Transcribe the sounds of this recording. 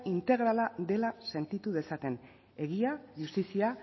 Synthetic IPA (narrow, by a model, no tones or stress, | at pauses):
int̪e̞ɣɾalad̪e̞lase̞nt̪it̪uð̞e̞sat̪e̞n | e̞ɣ̞iaʝust̪isia